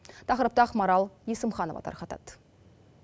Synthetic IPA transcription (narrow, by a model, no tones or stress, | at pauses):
t̪ʰɑqɾəp̚t̪ɑχmɑɾɑlˠjesəmχɑnovɑ̰t̪ʰɑ̰ɾχɑt̪ɑ̰t̪